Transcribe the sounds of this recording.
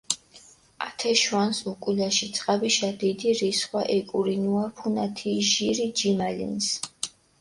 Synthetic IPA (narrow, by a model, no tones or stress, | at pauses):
a̰t̪ʰɛʃwansukʼulaʃit̪sʼqʼabiʃad̪id̪iɾisχwaʔɛkʼuɾinuaɾpʰunat̪ʰiʒiɾid͡ʒimalḭns